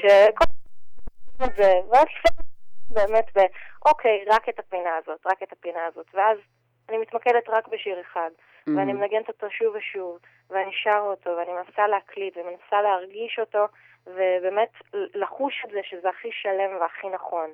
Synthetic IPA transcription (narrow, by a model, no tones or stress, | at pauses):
ʃekol | ezeveazlifibe̞ːmetbeʔo̞kʰe̞jʁaketapinaːzo̞tʁaketapinaːzo̞tveaz | animitmakedetʁakbeʃiʁeχad | veanimenaɡentoto̞ʃuveʃuv | veaniʃaʁotʰo̞veanimenasaleɦaklitveme̞nasaleɦaʁɡiʃo̞to̞ | ve̞be̞ːme̞tllaχuʃelzeʃezeaχiʃale̞mveaχinaχo̞n